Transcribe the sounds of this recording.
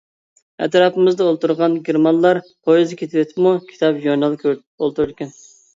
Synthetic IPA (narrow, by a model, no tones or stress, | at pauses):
ɛ̰t̪ɾɑpɨmɪzd̪ɑolˠt̪uɾʁɑnɡʲeɾmɑnlˠɑɾqʰojizɨkʲʰet̪ʰɪwet̪ʰpmukʲʰi̥t̪ʰɑpjonɑlˠkʰʲ | olˠt̪uɾd̪ɪkʲʰɛn